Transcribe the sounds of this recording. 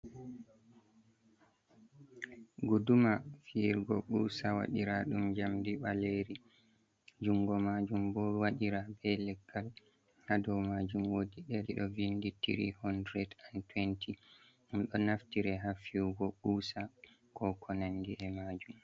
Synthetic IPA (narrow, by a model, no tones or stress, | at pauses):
ɡudumafiɾɡɔ̰ɓuːsawa̰ɗiɾaɗumd͡ʒamdiɓaleɾi | d͡ʒuŋɡɔmad͡ʒumbɔwaɗiɾabɛlɛɡːal | hadɔwmad͡ʒumwodiɗɛɾiɗɔ̰vinditḭɾḭhɔndɾɛdantwɛntʰi | ʔumɗɔnaftiɾɛɦafiɡɔɓusa | kɔkʰɔnanːdiʔɛmaːd͡ʒum